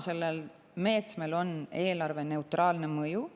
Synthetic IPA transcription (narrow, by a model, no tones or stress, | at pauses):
se̞lːel | me̞ːt̪sme̞lo̞ne̞ːlɑrve̞ne̞ut̪rɑːlne̞mɤju